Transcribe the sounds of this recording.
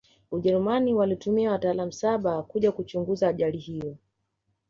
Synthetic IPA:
uʄɛɾumaniwalitumiawataːlam̩saɓakuʄakut͡ʃuŋɡuzaːʄalihijɔ

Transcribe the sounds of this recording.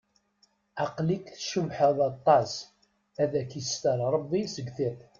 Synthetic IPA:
ɑqlikθʃəmħəðˤɑt̪ˤːɑs | æðækjəst̪əɾˤɾˤəbːisəɡθit̪ˤ

